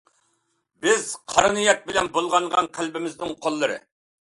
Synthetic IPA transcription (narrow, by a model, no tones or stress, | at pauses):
bɪzqʰɑɾnɨjɑt̪̚bɪlɛnbolˠʁɑɴʁɑnqʰælbɪmɪznɪŋqʰolˠːɨɾɨ̰